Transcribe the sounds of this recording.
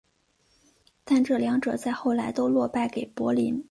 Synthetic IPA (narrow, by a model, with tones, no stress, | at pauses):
t̪a˥˧nʈ͡ʂɤ˥˩ljɑ˧˥ŋʈ͡ʂɤ˨˩t͡sa˥˧ɪxo˥˩ʊla˧˥ɪt̪o˥ʊlwɔ˥˧pa˥˩ɪke˨˩ɪpwɔ˧˥li˧˥n